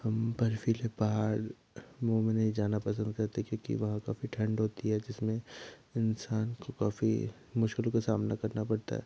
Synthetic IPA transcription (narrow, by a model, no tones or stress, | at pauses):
hɐmpɐɾfiːlepaɦaːɾ | moːmenid͡ʒaːnapɐsə̃nd̪̚kɐɾt̪ekjõːkḭʋɐɦãka̰ːfiʈʰɐ̃ɳɖɦoːt̪iɦɛd͡ʒɪsmẽɪnsaːnkokaːfḭ | mʊʃkɪlkasaːmnakɐɾnapɐɽt̪a̰ɦɛ̰ː